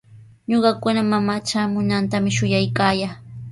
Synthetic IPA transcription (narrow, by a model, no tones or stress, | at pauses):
ɲoɢɑkʊnamamaːt͡ʃaːmʊnant̪amɪʃʊjajkaːjaː